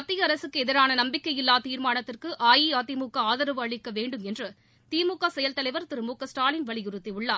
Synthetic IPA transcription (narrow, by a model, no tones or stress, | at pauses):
ɐt̪ːɪjɐɐɾɐsɯkːɯɛðɪɾaːnɐnɐmbɪkːɐjɪlːaːt̪iːɾmaːnɐt̪ːɪrkɯʔaːjiaːt̪ːimuːkaaːðɐɾɯʋɯɐɭɪkːɐʋeːɳɖɯmɛndrɯ | t̪iːmuːkːaːsɛjɐlt̪ɐlɐɪʋɐɾt̪ɪɾɯmuːkːɐsʈaːlɪnʋɐɭɪjʊrɯt̪ːiʊɭːaː